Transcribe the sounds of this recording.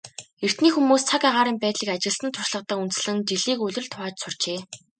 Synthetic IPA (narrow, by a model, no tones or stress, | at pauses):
er̥t̪niːxumuːst͡sʰakaʁaːɾiːmpæːt̪ɮiːkat͡ɕɪ̆ɮsə̆nt̪ʰʊʃɮə̆q̚t̪ə̆ːunt̪sɮɘ̆nt͡ɕiɮiːkɵɮʲɵ̆rɮt̪ʰʊʁaːt͡ɕsʊr̥t͡ɕeː